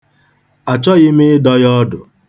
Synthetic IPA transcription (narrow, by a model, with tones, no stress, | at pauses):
a˨t͡ʃɔ˦ɣɪ˦m̩ɪ˦dɔ˦ɣjɔ˦dʊ˨